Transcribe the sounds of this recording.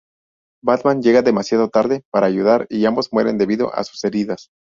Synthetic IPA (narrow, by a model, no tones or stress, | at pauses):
bat̪mãnɟ͡ʝe̞ɣaðe̞masjaðo̞t̪aɾðe̞paɾaːʝuðaɾiambo̞zmwe̞ɾe̞nd̪e̞βiðo̞̰ʔa̰su̥se̞ɾiðas